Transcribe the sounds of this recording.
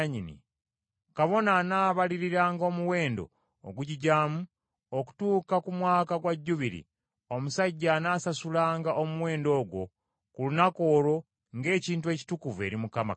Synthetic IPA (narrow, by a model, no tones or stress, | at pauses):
ɲinḭ | kaβo̞nanaːβaliɾiɾaːŋɡo̞ːmuwe̞ːndo̞̰ː | ɡuɟiɟaːmu | oku̥tuːkakumwaːkaɡwaɟːuβiɾḭ | omusaɟːanaːsasulaːŋɡaʔomuwe̞ːndo̞ːɡwo̞̰ | kulunako̞ːɾo̞ | ŋɡe̞ːciːntue̞ːci̥tukuve̞̰ɾimukama̰